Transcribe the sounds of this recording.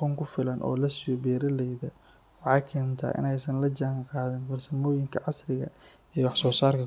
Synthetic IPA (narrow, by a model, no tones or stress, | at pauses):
ɔŋkʰʊfɪlɐnʔɔ̰ːlɐsɪjɔbɛːɾɐlɛjðɐ | wɑħɑːkʰɛːnt̪ʰa̰ːʔɪ̰nɛjsɐnlɐd͡ʒaːŋqɑːðɪnfɐrsɐmɔːjɪŋkʰɐʕɑsrɪɣɐ̰ | ɛːwɑħsɔːsaːrkʰɐ